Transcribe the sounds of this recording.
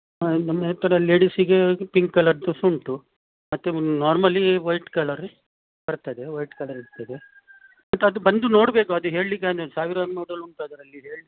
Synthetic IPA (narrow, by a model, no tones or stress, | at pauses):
nɐmːet̪ːɐɾɐleːɽisiɡepiŋkkɐlɐɾd̪usuɳʈu | mɐt̪ːunaːɾmɐlːiʋɐjʈkɐlɐɾ | bɐɾt̪ɐd̪eʋɐjʈkɐlɐɾiɾt̪ɐd̪e | mɐt̪ːuɐd̪ubɐnd̪uno̞ːɽbe̞ːkuɐd̪uɦe̞ːɭlik̬ːaːnd̪esaːʋiɾad̪moːɽɐluɳt̪aːd̪ɐɾɐlːiɦe̞ːɭi